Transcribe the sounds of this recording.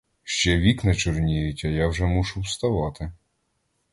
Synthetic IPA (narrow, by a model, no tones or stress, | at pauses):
ʃt͡ʃɛʋʲiknɐt͡ʃʊrnʲijɪtʲɐjawʒɛmuʃʊwst̪ɐʋɑt̪ɪ